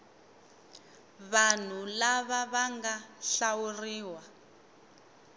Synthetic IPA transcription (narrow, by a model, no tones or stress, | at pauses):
βan̤ulaβaβaŋɡaɬawuriːwa